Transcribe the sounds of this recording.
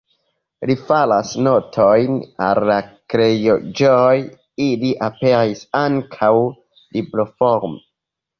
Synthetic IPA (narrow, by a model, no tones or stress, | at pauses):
lifalasno̞tʰojna̰lːakɾe̞jod͡ʒoj | iliʔape̞ɾisaŋkʰaw | liblofoɾme